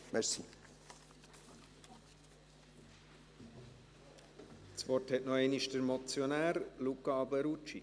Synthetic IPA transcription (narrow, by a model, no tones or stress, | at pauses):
mɛɾsi | t͡sʋɔrthɛtnɔɛɪniʃdəɾmɔt͡sjonæːɾlukːɑɑbəɾut͡ʃi